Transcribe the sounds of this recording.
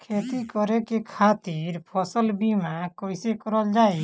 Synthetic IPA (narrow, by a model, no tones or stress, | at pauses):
kʰet̪ikɔɾekekʰaːt̪iɾpʰɔsəlbimakɔjsekɔɾɔld͡ʒaːe